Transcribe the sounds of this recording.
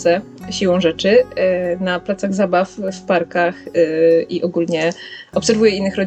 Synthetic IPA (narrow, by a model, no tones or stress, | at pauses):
ɛ | ɕiwɔ̃w̃ʐɛt͡ʂɘnaplat̪saɣzabaffpaɾkaxʔiʔɔɡulɲɛʔɔpsɛɾvujɛinːɘxɾɔd͡ʑ